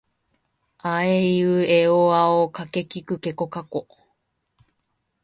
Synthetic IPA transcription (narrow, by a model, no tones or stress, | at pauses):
aeiɯeoaokake̞kikɯke̞ko̞kako